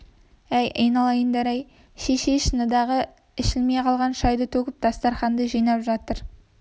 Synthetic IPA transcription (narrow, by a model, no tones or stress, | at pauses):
æjʔəjnɑlˠɑjənd̪ɑɾɑj | ʃeʃe̞ʃənəd̪ɑʁə | ɪʃɪlmejqʰɑlˠʁɑnʃɑjd̪ət̪ʰɵkʲɪp̚d̪̥ɑst̪ɑɾχɑnd̪əʒijnɑpʒɑt̪əɾ